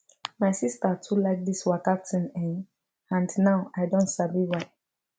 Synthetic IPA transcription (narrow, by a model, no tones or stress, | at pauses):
maɪsistatʰulaɪk̚diswakap̚tʰĩnɛ̃n | ãndnãʊaɪdõntsabiwat